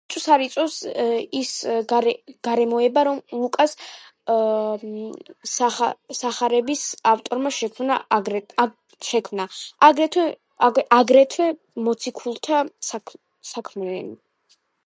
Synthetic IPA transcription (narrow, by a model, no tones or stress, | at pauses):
t̪ʼsaɾit̪sʼɔvsisɡaɡ̥aɾɛmɔɛbaɾɔmlˠukʼas | aasaχaɾɛbisaft̪ʼɔɾmaʃɛkʰmnaɡɾ | ʃɛkʰmnaaɡɾɛt̪ʰwɛ | aɡɾɛt̪ʰwɛ | mɔt̪sʰikʰulˠt̪ʰasak | sakʰmnɛn